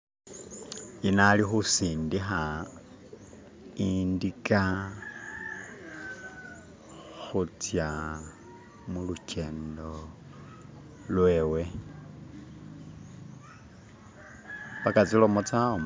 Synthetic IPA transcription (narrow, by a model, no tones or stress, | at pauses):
inalixusiːndixa | indika | xut͡sja | mulucʰe̞ːndo | lwe̞ːwe̞ | βakat͡silomot͡sao